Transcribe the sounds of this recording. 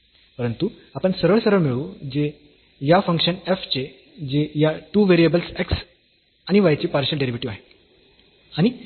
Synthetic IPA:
pəɾənt̪u | apəɳsəɾəɭsəɾəɭmiɭuːd͡ʑe | jafə̃ŋkʂəneft͡ɕe | d͡ʑejaʈuʋeɾiəbəlseks | añiʋajt͡ɕiːpaɾɕəlɖeɾiʋiʈiʋaɦe | aɽ̃i

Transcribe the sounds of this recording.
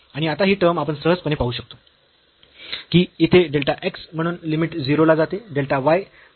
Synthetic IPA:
aɽ̃iat̪aɦiːʈəɾmapəɳsəɦəd͡zpəñepaɦuːɕək̚t̪o̥ | kiːit̪ʰeɖelʈaʔeksm̤əɽ̃uːnlimiʈd͡ziɾolad͡zat̪eɖelʈaʋaj

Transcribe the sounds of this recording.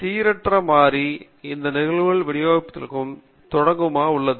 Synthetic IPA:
t̪iːɾɐʈrɐmaːɾi | ɪnd̪ɐnɪɣɐɭɣɐɭʋɪɽɪjaːɣɪpːɐt̪ːɪlkːɯm | t̪ɔɽɐŋɡɯmaːʊɭːɐðɯ

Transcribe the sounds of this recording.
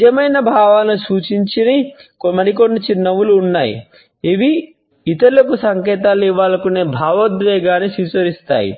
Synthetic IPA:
d͡ʒɐmɐjnɐbʱaːʋaːlɐnusuːt͡ʃiɲt͡ʃinikmɐɾik̬onːit͡ʃinːɐʋuluːnːaːjḭ | iʋi | it̪ɐɾlɐkusɐŋkɛːt̪̬aːliʋaːlɐkuneːbʱaːʋɐd̪ʋeːɡaːnisit͡ʃɐɾist̪a̰ːjḭ

